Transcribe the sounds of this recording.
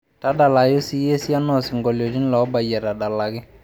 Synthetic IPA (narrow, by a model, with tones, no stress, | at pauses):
ta˦da˨la˨jʊ˦si˦je˦si˦a˦nɔ˦˨sɪ˨ŋɡɔ˨ljɔ˨dɪ˦n˦lɔ˨˦ba˨jɛ˨ta˨da˨la˨ɡɪ˦